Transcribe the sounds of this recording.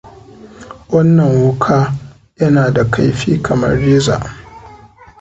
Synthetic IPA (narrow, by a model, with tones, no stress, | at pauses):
wɐ˦nːɐ˨ŋwʊ˦kʰaː˦ | jɐ˦naː˨da˨kʰa˦jɸiː˦kʰɐ˨mɐ̰˦rːiː˦za̰ː˨ʔ